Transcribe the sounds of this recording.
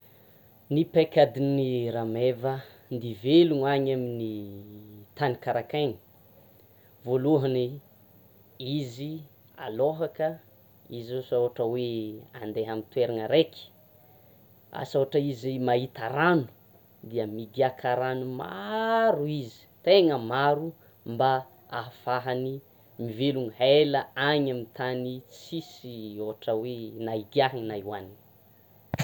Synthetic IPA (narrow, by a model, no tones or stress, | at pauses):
nipekʲad̪iniɾamevə | nd̪iveluŋaɲamini | t̪anikaɾakajni̥ | voluɦəni | izi | a̰loɦakə | izosawaʈ͡ʂəwea̰nd̪eɦamint̪weɾaŋəɾeki̥ | a̰soaʈ͡ʂəizimaɦit̪aɾanu̥ | d̪iəmiɡiakʰaɾanuma̰ɾuizi̥t̪eŋəmaɾu | mba | aɦafaɦani | miveluŋheləaɲamit̪anit͡sisioɦaʈ͡ʂəwenaiɡiaɦaŋnaiwanin